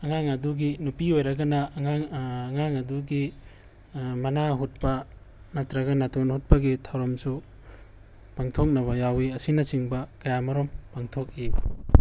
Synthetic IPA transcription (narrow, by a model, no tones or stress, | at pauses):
ɐŋaŋɐduɡinupiojɾɐɡɐnɐŋaŋːŋaŋɐduɡi | mɐnaɦut̚pɐ | nɐtɾɐɡɐnatonhut̚pɐɡitʰawɾɐmsu | paŋtʰok̚nɐβɐjawiɐsinɐsiŋbɐkɐjamɐɾompaŋtʰok̚i